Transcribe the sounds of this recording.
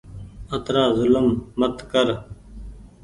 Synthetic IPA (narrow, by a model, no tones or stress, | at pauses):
ət̪ɾaːzʊləmːət̪kəɾ